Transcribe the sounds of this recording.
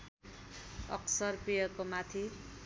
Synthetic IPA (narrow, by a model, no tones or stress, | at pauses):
ʌ̰ksʌrpijʌkomat̪ʰi